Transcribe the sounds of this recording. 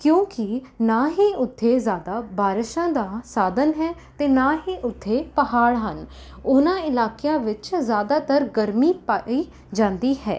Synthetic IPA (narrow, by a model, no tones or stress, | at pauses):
kjõːkɪnãːɦiːʊt̪ʰːeːzjaːd̪aːbaːɾɪʃãːd̪aːsaːd̪ənɦɛː | t̪eːnãːɦiːʔʊt̪ʰːeːpəɦaːɽɦən | ʊnãːɪlaːkejãːʋɪt͡ʃzjaːd̪aːt̪əɾɡəɾmiːpaiː | d͡ʒãːnd̪iːɦɛ̰ː